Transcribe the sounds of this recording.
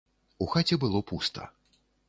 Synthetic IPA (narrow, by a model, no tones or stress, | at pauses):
uxat͡sʲɛbɨlˠɔpust̪ɐ̰